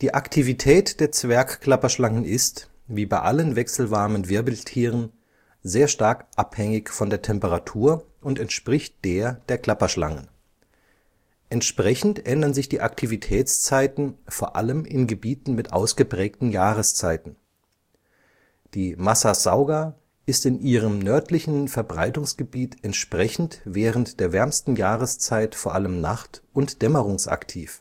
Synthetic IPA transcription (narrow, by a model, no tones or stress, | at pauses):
d̥iːʔaktʰivitʰɛːtd̥eːɐt͡sv̥ɛɐkkl̥apɐʃlaŋənʔɪst | viːbaɪʔalənvɛksl̩vaɐmənvɪɐbl̩tʰiːʁ̞ən | zeːɐʃtaɐkʔaphɛŋɪçfɔndeːɐtʰɛmpəʁatʰuːɐ | ʔʊntɛntʃpʁ̥ɪçt̚d̥eːɐd̥eːɐkl̥apɐʃla̰ŋə̰n | ʔɛntʃpʁ̥ɛçn̩tʔɛndɐnzɪçd̥iːʔaktʰivitʰɛːt͡st͡saɪtn̩foːɐʔa̰ləmɪnɡəbiːtn̩mɪtʔa̰ʊsɡ̥əpʁ̥ɛːk̚tn̩jaːʁəst͡saɪtn̩ | d̥iːmasazaʊɡa | ʔɪstɪnʔiːʁ̞əmnœɐtlɪçn̩fɛɐbʁaɪtʊŋsɡ̥əbiːtʔɛntʃpʁ̥ɛçn̩tvɛːʁəntd̥eːɐvɛɐmstn̩jaːʁəst͡saɪtfoːɐʔaləmnaχtʔʊntd̥ɛməʁʊŋsa̰ktʰiːf